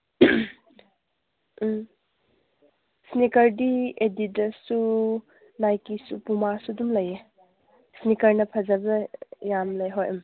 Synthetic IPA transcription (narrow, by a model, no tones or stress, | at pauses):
snikɐɾdieditɐsu | najkisupumasudumlɐje | snikɐɾnɐpʰɐzabɐjamlejɦojɐm